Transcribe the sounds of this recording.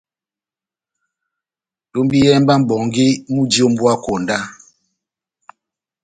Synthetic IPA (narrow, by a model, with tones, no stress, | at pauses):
to˦mbi˦jɛ˦mba˦m̩˨bɔ˨ŋɡi˦mu˦di˦o˦m̩˦bwa˦ko˨nda˦